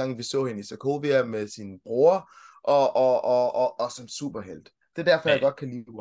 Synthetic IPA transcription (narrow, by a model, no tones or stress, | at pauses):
ɑ̈ŋ̰ʋisɔ̰̽ːhe̝nəisækʰo̝̰ːʋeɐmesinəb̥ʁo̝ɐʔɒ̽ɒɒɒsɒ̽msṵːb̥ɐɦel̰d̥ | d̥e̝d̥æɐfɒ̽jɑɡ̥ɒ̽d̥̚kʰæliː